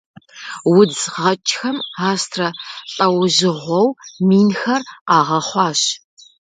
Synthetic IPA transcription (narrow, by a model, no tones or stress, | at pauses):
wʊd͡zʁɐt͡ʃʼxɐmaːstʰrɐɬʼɐwʑɪʁʷɔwmiːnxɐraːʁɐχʷɑːɕ